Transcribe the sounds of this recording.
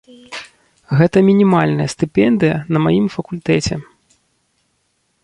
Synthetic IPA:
ɣɛt̪ɐmʲinʲimalʲnɐjɐst̪ɨpʲɛnd̪ɨjɐnɐmajimfɐkulʲt̪ɛt͡sʲɛ

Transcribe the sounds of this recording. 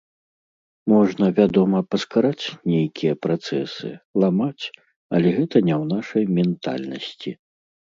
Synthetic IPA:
mɔʐnɐvʲad̪ɔmɐpɐskaɾat͡sʲnʲɛjkʲijɐpɾat̪sɛsɨ̰lˠamat͡sʲ | ɐ̰lʲɛɣɛt̪ɐnʲɛwnaʂɐjmʲɛnt̪a̰lʲnɐsʲt͡sʲḭ

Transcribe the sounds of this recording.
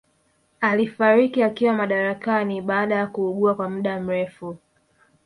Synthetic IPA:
alifaɾikiakiwamaɗaɾakaniɓaːɗajakuːɠuakwamuɗam̩ɾɛfu

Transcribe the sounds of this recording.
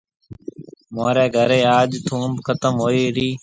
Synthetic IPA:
maːɾeːɡʱəɾeːaːʄt̪ʰũːmbkʰət̪əmɦoːiːɾiː

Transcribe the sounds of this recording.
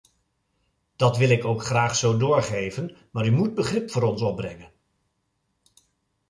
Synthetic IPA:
d̥ɑtʋɪlˠɪkowkχraːχsowdʊːɹχejvənmaːɾymud̚bəχrɪpfʊːɾɔnsɔb̚brɛŋən

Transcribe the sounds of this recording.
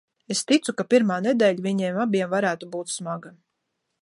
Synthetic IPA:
est̪it̪sukapʲiɾmaːnɛd̪ɛːʎviɲiɛmabʲiɛmvaɾæːt̪ubuːt̪smaɡa

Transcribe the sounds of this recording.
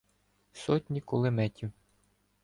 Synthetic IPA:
sɔtʲnʲikʊlˠɪmɛtʲiw

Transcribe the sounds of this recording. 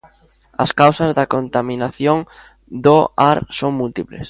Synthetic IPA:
ɐ̰skawsɐzðɐkont̪amĩnaθjoŋ | d̪oaɾsoŋmult̪iplḛs

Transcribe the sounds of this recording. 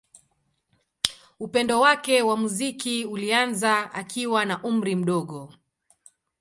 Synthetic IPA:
upɛndɔwakɛwamuzikiulianzaa̰kiwanaʔum̩ɾim̩ɗɔɠɔ

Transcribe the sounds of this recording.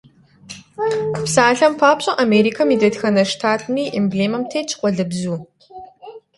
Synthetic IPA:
psaːɬɐmpʰaːpɕʼɐʔameːɾiːkʰɐmidɐdxɐnɐʂtʰaːtʰmiːʔimbleːmɐmtʰejt͡ʃʰʼqʷʼɔɮɨbzuː

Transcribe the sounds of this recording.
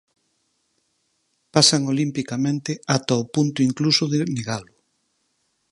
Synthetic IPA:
pasaŋolimpikamẽnt̪ɪat̪aopunt̪ʊiŋklusʊðeneɣalʊ

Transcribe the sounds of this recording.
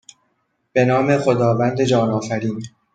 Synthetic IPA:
b̥e̞nɒːme̞xo̞d̪ɒːvænd̪e̞d͡ʒɒːnɒːfæɾiːn

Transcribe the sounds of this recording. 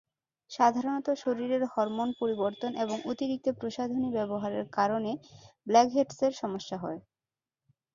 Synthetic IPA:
ʃad̪ʱaɾonɔt̪oʃoɾiɾeɾhɔɾmonpoɾiboɾt̪onʔeboŋʔot̪iɾik̚t̪opɾoʃad̪ʱonibɛboɦaɾeɾkaɾoneblɛkɦeʈseɾʃɔmoʃːaɦɔe

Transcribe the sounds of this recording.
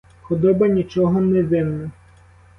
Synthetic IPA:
xɔd̪ɔbɐnʲit͡ʃɔɦɔnɛʋɪwnɐ

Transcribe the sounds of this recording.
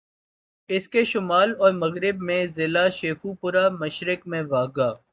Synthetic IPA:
ɪskeʃʊmaːlɔːɾmɐɣɾɪbmẽzɪlaʃeːxupʊɾamɐʃɾɪkmẽʋaːɡaː

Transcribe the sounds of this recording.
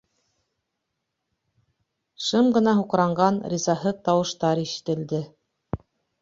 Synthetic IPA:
ʃɤmɢɤ̆nɑɦuqɾɑɴɢɑnɾʲizɑɦɤt̪ɑwɤ̆ʃt̪ɑɾiʃɘ̥̆t̪ɘ̆ld̪ɘ

